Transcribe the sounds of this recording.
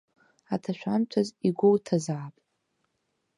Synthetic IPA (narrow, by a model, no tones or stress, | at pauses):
atʰaʃʷᶣant͡ʃʷʰaziɡʷowtʰazaːpʼtʼ